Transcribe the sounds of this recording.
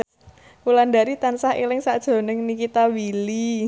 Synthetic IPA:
ulandaɾit̪ansahilɪŋsad̥ʒ̥o̤nɪŋnikit̪awili

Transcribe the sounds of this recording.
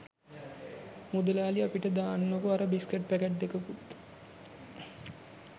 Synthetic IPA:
mud̪ɐlaːliapiʈɐd̪aːnːɐkuɐɾɐbiskeʈ̚pækɐʈ̚d̪ekɐkut̪ː

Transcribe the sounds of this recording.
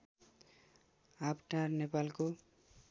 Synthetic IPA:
apʈaɾnepalko

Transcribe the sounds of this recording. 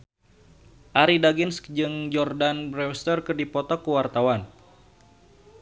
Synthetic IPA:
ʔaɾidaɡɪnskd͡ʒɨŋd͡ʒɔrdanbɾɛwst̪ərkɨrdipɔt̪ɔkuwart̪awan

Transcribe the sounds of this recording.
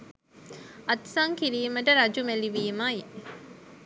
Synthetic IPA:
ɐt̪sɐŋkiɾiːməʈəɾɐd͡ʒumeliʋiːmaːi

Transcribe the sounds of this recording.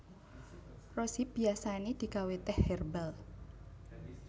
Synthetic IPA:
rosib̥iasanid̪̥i̤kawet̪ɛhɛrbal

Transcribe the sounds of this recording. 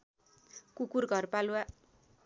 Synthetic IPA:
kukurɡʱʌrpalwa

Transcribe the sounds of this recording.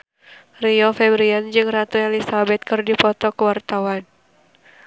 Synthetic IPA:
riɔfɛbɾiand͡ʒɨŋrat̪ɔɛlisabɛt̪̚kɨrdipɔt̪ɔkuwart̪awan

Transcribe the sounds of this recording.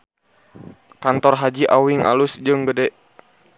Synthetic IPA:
kant̪ɔrɦad͡ʒiʔawiŋʔa̰lusd͡ʒɨŋɡədɛʔ

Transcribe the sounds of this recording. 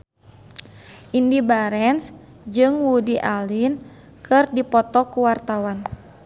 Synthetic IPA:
ʔindibaɾɛns | d͡ʒɨŋwudiʔalin | kʰɨrdipɔt̪ɔkuwart̪awan

